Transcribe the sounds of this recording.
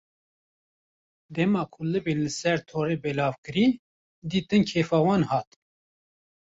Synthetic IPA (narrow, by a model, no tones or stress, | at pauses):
d̪ɛmɑːkʰulɨbeːnlɨsɛɾt̪ʰoːɾeːbɛlɑːvkɨɾi | d̪iːt̪ɨnkʰeːfɑːwɑːnhɑːt̪